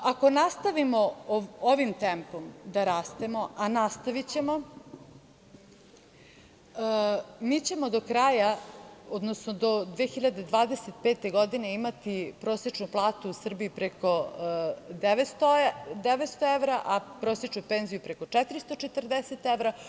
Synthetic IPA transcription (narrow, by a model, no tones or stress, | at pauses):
ako̞nast̪aʋimo̞oʋimt̪empo̞md̪aɾaːst̪e̞mo̞anast̪aʋit͡ɕe̞mo̞ | mit͡ɕe̞mo̞d̪o̞kɾaːjaod̪nosnod̪o̞d̪ʋexiʎad̪ed̪ʋaːd̪e̞set̪peːt̪e̞ɡo̞d̪ine̞imat̪ipɾo̞ːsje̞t͡ʃnuplˠaːt̪uːsr̩biipɾeko̞ | d̪eʋet̪st̪od̪eʋet̪st̪oeʋɾaʔapɾoset͡ʃnupenzijupɾeko̞t͡ʂɛt̪iɾist̪o̞t͡ʃet̪rd̪eset̪eʋɾa